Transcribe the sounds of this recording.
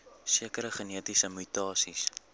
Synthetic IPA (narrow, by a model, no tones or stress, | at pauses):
siəkəɾəχəniətisəmytɑːsis